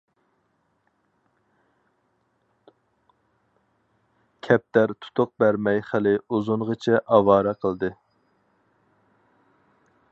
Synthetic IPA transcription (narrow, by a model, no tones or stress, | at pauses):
kʲʰɛp̚t̪æɾt̪ʰu̥t̪ʰʊq̚bæɾmɛjχəlɪuzʊnʁət͡ʃʰɛʔɑwɑːɾɛqʰəlˠd̪ɨ